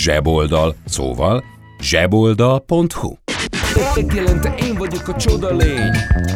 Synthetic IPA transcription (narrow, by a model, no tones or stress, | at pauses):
ʒɛbo̞ld̪ɒlso̰ːvɒl | ʒɛbo̞ld̪ɒlpo̞nt̪hṵɛzɛɡ̪jɛlɛnt̪ɛʔeːɱvɒɟo̞kɒt͡ʃo̞d̪ɒleːɲ